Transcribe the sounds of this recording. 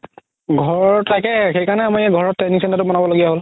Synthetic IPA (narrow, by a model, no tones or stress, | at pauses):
ɡʱɔɹtajkɛxejkaɹnɛamɔjɛɡʱɔɹɔtːɛnisɛntatʊbɔnabɔloɡijaɦol